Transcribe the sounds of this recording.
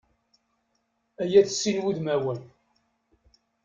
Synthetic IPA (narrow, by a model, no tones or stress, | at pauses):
æjæθsːinwiðmæwən